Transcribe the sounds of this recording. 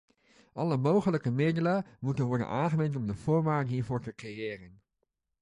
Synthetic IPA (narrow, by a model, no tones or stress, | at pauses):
ʔɑləmowχələkəmɪdələmutənʋɔɹdə̰nʔaːnχəmɛntɔmdəv̥ʊːɹʋaːɹtɦiːɹvʊːɹtəkrejɪːrən